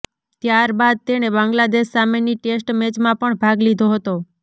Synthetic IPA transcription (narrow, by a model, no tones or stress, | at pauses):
t̪jaɾbad̪̚t̪eɽ̃ebãŋɡlad̪eʃsameniʈesʈmet͡ʃmãpəɳbʱaɡlid̪ʱoɦət̪o